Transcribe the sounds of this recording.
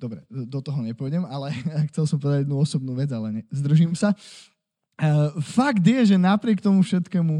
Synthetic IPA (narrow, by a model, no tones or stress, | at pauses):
d̪ɔbɾɛd̪ɔt̪ɔɦɔɲɛpɔjɟɛmalɛxt͡sɛlsɔmpɔʋɛd̪aɟɛd̪nuɔsɔb̚nuːʋɛd͡zalɛɲɛzd̪r̩ʒiːmsa | faɡd̪ɪjɛʒɛnapɾɪɛkt̪ɔmufʃɛt̪kɛːmu